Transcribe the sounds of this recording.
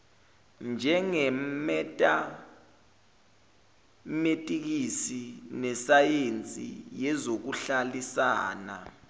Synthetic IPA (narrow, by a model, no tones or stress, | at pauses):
nd͡ʒʱɛŋɛmɛtʼa | metʼik̬isinɛsajent͡sʼḭjɛzok̬uɬalisa̰ːna̰